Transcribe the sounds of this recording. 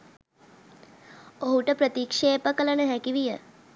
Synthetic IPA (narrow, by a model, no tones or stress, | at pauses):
oɦuʈəpɾət̪ikʂeːpəkələnəɦækiʋijə